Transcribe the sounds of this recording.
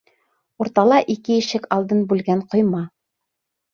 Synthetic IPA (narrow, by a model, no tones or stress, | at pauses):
uɾt̪ɑlˠɑʔikɘjɘ̆ʃɘkɑlˠd̪ɤnbʉlɡæɴqŏjmɑ